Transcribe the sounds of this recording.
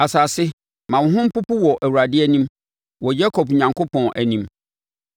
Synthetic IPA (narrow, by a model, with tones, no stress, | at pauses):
a˨saː˨sɪ˦ | mã˨wʊ˨ɦʊ̃˦m̩˦pʊ˦pʊ˦wɔ˨ʔæ˨wu˨ɾa˨dɪ˦æ˦nĩ˦m | wɔ˨d͡ʑa˦kʰɔ˨p̚ɲã˨ŋkʰo˦pʰɔ̃˨nʔæ˨nĩ˦m